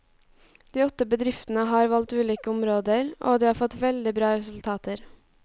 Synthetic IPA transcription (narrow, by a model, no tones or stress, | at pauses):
d̪̥iːɔt̪əbəd̪ɾɪft̪n̩əɦɑːɾʋɑlt̪ʉːliːkəʊmɾoːd̪əɾʔo̰ːd̪iːhɑːɾfɔt̪ʋɛld̪ɪbɾɑːɾɛsʉl̩t̪ʰɑːt̪ʰəɾ